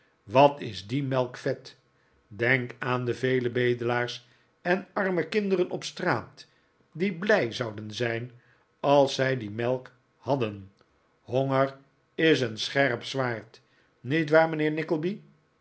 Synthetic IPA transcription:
ʋɑtɪzdimɛlˠkfɛt | dɛŋkaːndəvejləbejdəlaːɹs | ɛnɑɹməkɪndərənʔɔpstraːt | diblɛjzɑwdənzɛjn | ɑlˠsɛjdimɛlˠk | hɑdən | hoŋəɹ | ɪs̬ənsχɛrpsʋaːɹt | nitʋaːɹmənɪːɹnɪkəl̩ˠbi

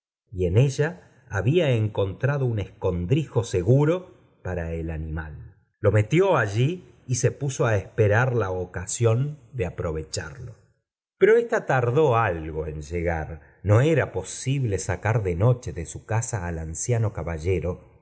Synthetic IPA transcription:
ie̞ne̞ʒaː | βiaeŋko̞nt̪ɾaðoune̞sko̞nd̪ɾixo̞se̞ɣuɾo̞ | paɾaelanimalː | o̞me̞t̪jo̞aʒiː | se̞puso̞aespeɾaɾlaokasjo̞nd̪eapɾo̞βe̞t͡ʃaɾlo | peɾo̞ehst̪at̪aɾðo̞alɣo̞enʒeɣa̰ɾ | no̞eɾapo̞siβle̞sakaɾðeno̞t͡ʃeðesukasaːlansjano̞kaβaʒeɾo̞

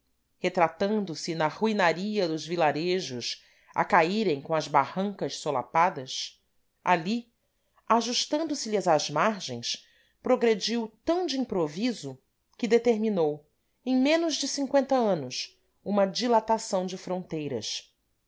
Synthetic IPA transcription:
het̪ɾat̪ɐ̃nd̪ʊsɪnɐʁuinaɾiɐd̪ʊzvilaɾeʒʊʃ | a̰kaiɾẽj̃kõɐzbahɐ̃ŋkɐʃsola̰pad̪ɐs | a̰li | aʒuʃt̪ɐ̃nd̪ʊsɪlɪzazmaɾʒẽj̃s | pɾoɡɾed͡ʒiwt̪ɐ̃w̃d͡ʒɪĩpɾovizʊ | kɪd̪et̪eɾminow | ẽj̃mẽnʊʒd͡ʒɪsĩŋkwẽnt̪ɐɐ̃nʊs | ũmɐd͡ʒilat̪asɐ̃w̃d͡ʒɪfɾõnt̪ejɾɐ̰s

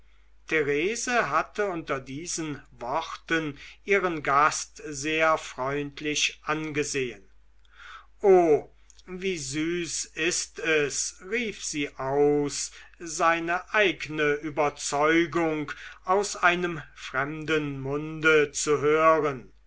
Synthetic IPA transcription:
tʰeʁeːzəɦatʰəʊntɐdiːzənvɔχtənʔiːʁənɡastzeːɐfʁ̥ɔʏntʰlɪɕʔanɡəzeːən | ʔoː | viːzyːsɪstɛsʁiːfz̥iːʔaʊsz̥aɪnəʔaɪɡənəʔyːbɐt͡sɔʏɡʊŋkaʊsaɪnəmfʁ̥ɛmdənmʊndət͡suɦøːʁən

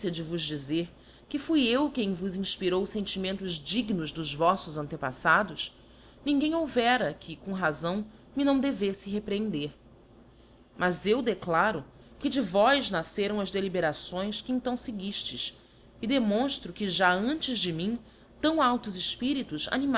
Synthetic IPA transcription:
siɐd͡ʒɪvʊzd͡ʒizeɾ | kɪfujewkẽj̃vʊzĩʃpiɾowsẽnt͡ʃimẽnt̪ʊzd͡ʒiɡnʊzd̪ʊzvɔsʊzɐ̃nt̪epa̰sad̪ʊs | nĩŋɡẽj̃owvɛɾɐkʰɪkõɦazɐ̃w̃ | mɪnɐ̃w̃d̪evesɪɦepɾeẽnd̪eɾ | mɐzewd̪eklaɾʊ | kɪd͡ʒɪvɔjznaseɾɐ̃w̃ɐzd̪elibeɾasõj̃skɪẽnt̪ɐ̃w̃sɪɡiʃt͡ʃɪʃ | ɪd̪emõʃt̪ɾʊkɪʒaɐ̃nt͡ʃɪzd͡ʒɪmĩ | t̪ɐ̃w̃awt̪ʊzɪʃpiɾit̪ʊza̰nim

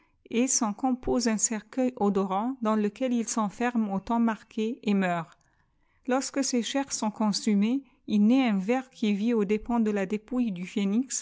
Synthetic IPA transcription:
esɑ̃kɔ̃pʰozɛ̃sɛʁkœjod̪ɔʁɑ̃d̪ɑ̃ləkʲɛlilsɑ̃fɛʁmot̪ɑ̃maʁkʰeːmœːʁ | lɔʁskəseʃɛʁsɔ̃kɔ̃syme | ilnɛɛ̃vɛʁkʲʰiviod̪epɑ̃d̪əlad̪epujd̪yfeniks

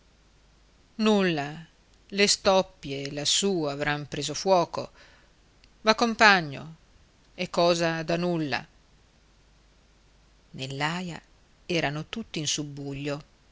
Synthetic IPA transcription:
nulːa | lest̪ɔpːjelasuːavɾampɾeːzofwɔːko̰ | vakːompaɲːo̰ | ekːɔːzad̪anulːa̰ | nelːaːja | ɛːɾanot̪ut̪ːiinsubːuʎːo

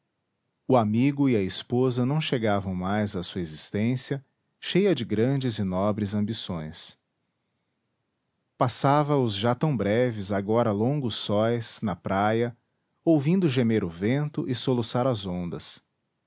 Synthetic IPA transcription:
ʊamiɡʊɪɐɪspozɐnɐ̃w̃ʃeɡavɐ̃w̃majzɐsuɐezist̪ẽsiɐ | ʃejɐd͡ʒɪɡɾɐ̃d͡ʒɪzɪnɔbɾɪzɐ̃mbisõ̰j̃s | pasavɐʊzʒat̪ɐ̃w̃bɾɛvɪzaɡɔɾɐlõŋɡʊsɔjsnɐpɾajɐ | owvĩnd̪ʊʒemeɾʊvẽnt̪ʊʔɪsolusaɾɐzõnd̪ɐs

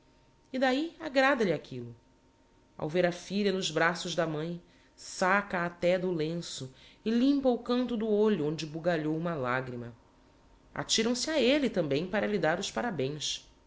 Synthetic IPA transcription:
ɪd̪aiaɡɾad̪ɐʎɪakʰilʊ | a̰wveɾɐfiʎɐnʊzbɾasʊʒd̪ɐmɐ̃j̃ | sakɐːt̪ɛd̪ʊlẽsʊɪlĩmpɐʊkɐ̃nt̪ʊd̪ʊoʎʊõnd͡ʒɪbuɡaʎowũmɐlaɡɾimɐ | a̰t͡ʃiɾɐ̃w̃sɪaelɪt̪ɐ̃mbẽj̃paɾɐlid̪aɾʊspaɾabẽj̃s

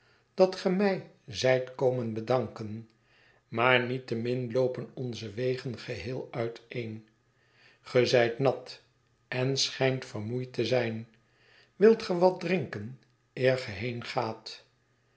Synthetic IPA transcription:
d̥ɑtχəmɛj | zɛjtkowmənbədɑŋkən | maːɹnitəmɪnlowpənɔnzəʋejχənχəɦɪːlˠœɥtejn | χəzɛjtnɑt | ɛnsχɛjntfərmujtəzɛjn | ʋɪlˠtχəʋɑt̚drɪŋkən | ɪːɹχəɦejnχaːt

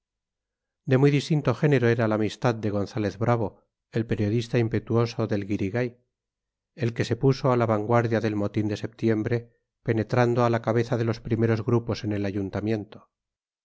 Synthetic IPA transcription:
d̪emuijðist̪int̪o̞xe̞ne̞ɾoe̞ɾalaːmist̪aðd̪e̞ɣo̞nθale̞ðβɾaβ̞o̞ | elpe̞ɾjo̞ðist̪aimpe̞t̪uo̞so̞ðe̞lɣiɾiɣaj | e̞lke̞se̞puso̞alaβaŋɡwaɾðjaðe̞lmo̞t̪ind̪ese̞p̚t̪je̞mbɾe̞ | pe̞ne̞t̪ɾand̪oalakaβe̞θaðe̞lo̞spɾime̞ɾo̞zɣɾupo̞se̞ne̞laʝunt̪amje̞nt̪o

